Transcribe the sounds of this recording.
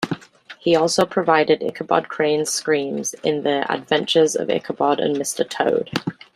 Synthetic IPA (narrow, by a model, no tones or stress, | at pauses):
hiɔˑlˠsoʊpʰɹ̥əvaɪdɪdɪ̰kʰəbɒ̰d̚kʰɹ̥ẽɪ̃nskɹĩːmz̥ɪ̰̃nðiə̰dvɛ̃nt͡ʃəzə̰vɪ̰kʰəbɒdə̰̃nmɪstətʰəʊd̥